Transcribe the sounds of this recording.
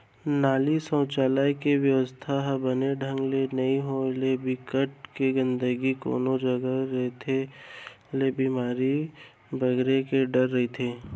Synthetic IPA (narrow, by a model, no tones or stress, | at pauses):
naːlisə̃ːt͡ʃaːlaːekeʋjəʋəst̪ʰaɦbəneɖʱə̃ŋɡlenɐĩɦolebɪkəʈ̚keɡə̃nd̪əɡiko̰ːnod͡ʒɐɡaɾɦet̪ʰe | lebiːmaːɾi | bʱɐɡɾekeɖɐɾːɐɦit̪ʰeː